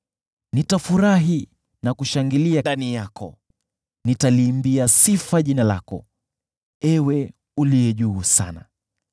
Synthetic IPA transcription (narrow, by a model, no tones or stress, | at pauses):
nitafuɾaɦi | nakuʃaŋɡiliaanijakɔ̰ | nitaliːmbiasifaʄinala̰kɔ̰ | ɛwɛ | uliɛʄuːsa̰na